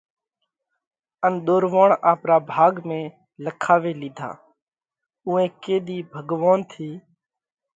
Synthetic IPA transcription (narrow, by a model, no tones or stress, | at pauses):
ənɗ̪oːɾʋaːɳaːpɾaːbʱaːɡmẽː | ləkʰaːʋeːliːd̪ʱa̰ː | ũːẽːkeːɗ̪iːbʱəɡʋaːnt̪ʰiː